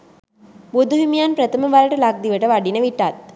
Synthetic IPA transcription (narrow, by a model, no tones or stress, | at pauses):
bud̪uɦimjaːnpɾɐt̪ɐmɐʋaːɾɐʈɐlak̚d̪iʋɐʈɐʋɐɖinɐʋiʈːaːt̪̚